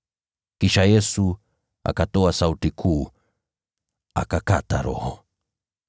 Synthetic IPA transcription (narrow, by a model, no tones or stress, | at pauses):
kiʃajɛsu | a̰katɔasautikʰuː | a̰kakataɾɔ̰hɔ